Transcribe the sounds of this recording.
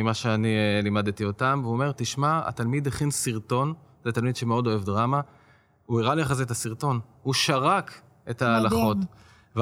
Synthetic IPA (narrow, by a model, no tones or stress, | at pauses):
imaʃeanilimad̪et̪io̞tamveuome̞ʁt̪iʃmaa̰t̪almid̪eχinsiʁt̪o̞n | zet̪almid̥̪ʃe̞meo̞d̪o̞e̞vdʁama | uiʁaliaχazet̪asiʁt̪o̞nhuʃaʁak | etaːlaχo̞t | v